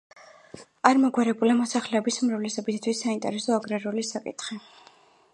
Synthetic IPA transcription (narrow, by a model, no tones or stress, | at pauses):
aɾmɔɡwaɾɛbulamɔsaχlɛːbismɾavlɛsɔbist̪ʰwisːaint̪ʼɛ̰ɾɛsɔaɡɾaɾulisakʼḭt̪ʰχi